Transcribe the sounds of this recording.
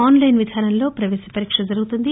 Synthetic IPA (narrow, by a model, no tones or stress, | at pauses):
aːnlɐjnʋid̪ʱaːɾɐnlo̞ːpɾɐʋeːsɐ̥pɐɾiːkʂɐd͡ʒɐɾuɡut̪und̪i